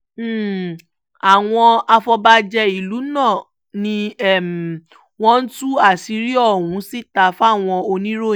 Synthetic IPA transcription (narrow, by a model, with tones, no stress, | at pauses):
a˨w̃ɔ̃˧a˧fɔ˧ba˧d͡ʒɛ˧i˦˨lu˨˦nã˦˨ | nĩ˧ɛ˦˨m˨ | w̃ɔ̃˦n̩˦tu˦a˦˨si˨˧˦ɾi˦ɔ˦˨wũ˨˦si˦˨ta˨˧fa˦˨w̃ɔ̃˧o˧nĩ˦ɾo˦˨